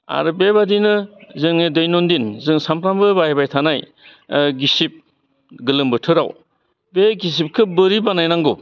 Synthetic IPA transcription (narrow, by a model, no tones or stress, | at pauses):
a̰ɾɯbebadinɯzɯŋnedɯjnondinzɯŋsampɾambɯbajbajtʰanaj | ɡisip̚ | ɡɯlɯmbɯtʰɯɾaw | beɡis̬ip̚kʰɯbɯɾibanajnaŋɡo